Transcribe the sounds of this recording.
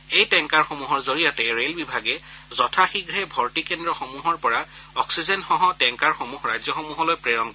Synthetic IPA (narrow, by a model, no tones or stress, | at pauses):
ejtɛŋkaɹxomuɦɔɹzoɹijatɛɹelbibʱaɡɛzɔtʰaxiɡɹɛbʱɔɹtikɛndɹɔxomuɦɔɹpɔɹaɔksizɛnxɔɦɔtɛŋkaɹxomuxɹajzjɔxɔmuɦɔlojpɹeɹɔŋ